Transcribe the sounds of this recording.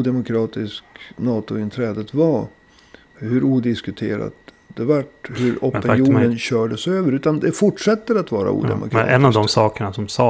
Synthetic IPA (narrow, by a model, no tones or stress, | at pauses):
d̪ɛmʊkʰɾɑːt̪ɪsknɑːt̪ʊɪnt̪ʰɾɛːd̪ət̪va | hɵɾuːd̪ɪskɵt̪ʰḛːɾa̰t̪ | d̪ɛvaʈːhɵɾɔpːɪjuːnənɕœːɖəsøːvəɾʉ̟ːt̪and̪ɛfʊʈʂɛt̪ːəɾat̪vɑːɾa̰ṵːd̪ɛ̰mʔʊ̰kʰɑɛnːavd̪ɔmsɑːkəɳasɔmsɑː